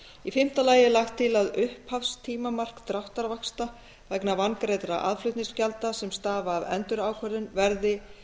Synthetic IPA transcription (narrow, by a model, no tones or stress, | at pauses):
ifɪm̥t̪alaːjɪlaxt̪ʰːɪlaðʏhphafst̪ʰiːmamar̥kt̪ɾaht̪aɾvakst̪a | vɛknavankɾejt̪ɾaʔa̰ðflʏht̪niŋscjalt̪asɛmst̪aːvaːðɛ̰nt̪ʏɾaːwkʰœɾðɪnvɛɾðɪ